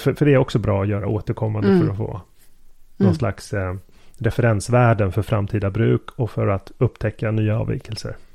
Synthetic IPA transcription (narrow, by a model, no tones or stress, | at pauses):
fœɾfœɖɛæɾɔksɔbɾɑːɔjœːɾaoːt̪əɾkʰɔmːand̪əfœɾɔfo̰ː | nɔnsla̰ks | ɾɛfɛɾɛnsvæːɖənfœɾfɾamt̪ʰiːd̪abɾʉ̟ːkʰɔfœɾat̪ɵpːt̪ʰɛkʰːanyːaɑ̰ːvɛ̰kːəlsə̰ɾ